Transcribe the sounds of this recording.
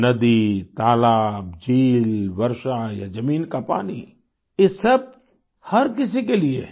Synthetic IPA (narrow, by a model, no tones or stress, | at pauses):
nɐd̪it̪aːlaːbd͡ʒiːlʋɐɾʃajad͡ʒɐmiːnkapaːni | jesɐb̚ | hɐɾkɪs̬ikeliḛ